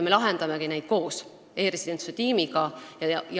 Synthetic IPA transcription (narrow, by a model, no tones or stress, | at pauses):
me̞lɑɦend̪̥ɑmekinæjd̪̥̚ko̞ːs | e̞ːɾesʲid̪̥e̞nt̪set̪iːmiɡɑjɑj